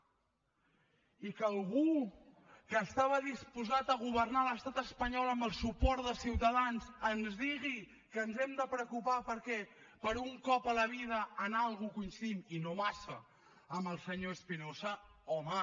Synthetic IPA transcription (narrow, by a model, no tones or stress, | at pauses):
ikəlˠɣu | kəːst̪aβəðispuzat̪əɣ̞uβərnaləst̪at̪əspəɲɔləmbəlˠsupɔɾt̪d̪əsiwt̪əðanzənzðiɣi | kənzɛmd̪əpɾəkupapəɾkɛpəɾuŋkɔpələβ̞ið̞əːnalˠɣukunsiminoβasə | əməlˠsəɲoəspinosəɔma